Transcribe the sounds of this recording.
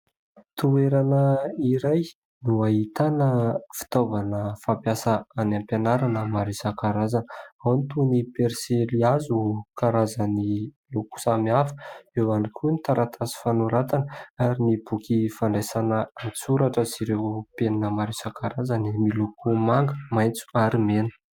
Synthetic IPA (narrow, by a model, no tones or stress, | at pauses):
t̪ueɾanəiɾaj | nuaɦit̪anəfi̥t̪ovanəfampjasaanampanaɾanəmaɾisakaɾazanawnit̪unipeɾseliazukaɾazəni | luku̥samiafə̥ewanikʰʲunit̪aɾat̪ʰasi̥fanuɾat̪anəaɾinibukʲifaɳɖ͡ʐejsanəat͡suɾaʈ͡ʂəsiɾewpeninəmaɾisakʰaɾazanimilukumaŋɡəmajnt͡su̥aɾimenə̥